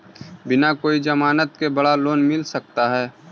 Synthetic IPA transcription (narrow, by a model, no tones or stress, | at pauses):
bɪnakoːid͡ʒəmaːnət̪kebəɽaloːnmɪlsək̚t̪aɦɛː